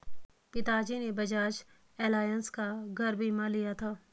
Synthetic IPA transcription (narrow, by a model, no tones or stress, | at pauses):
pɪt̪aːd͡ʒinebɐd͡ʒaːd͡ʒ | ɛːlaːjənskaɡʱɐɾbʱimãlijat̪ʰaː